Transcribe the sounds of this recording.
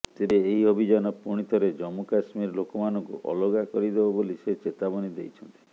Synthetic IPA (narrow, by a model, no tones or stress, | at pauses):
t̪ibeeɦiɦobʱid͡ʒɔnɔpuɽ̃it̪ʰɔɾed͡ʒɔmukasmiɾlokɔmanɔŋkṵʔɔ̰loɡakɔɾid̪ebɔboliset͡ʃet̪abɔnid̪ejt͡ʃʰɔnt̪i̥